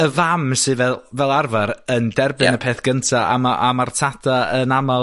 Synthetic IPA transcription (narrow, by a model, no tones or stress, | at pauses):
əvamsɨvɛlˠvɛlˠarvaɾəndɛrbɪnəpʰeːθɡ̥əntʰaa̰maʔamartʰatʰaənama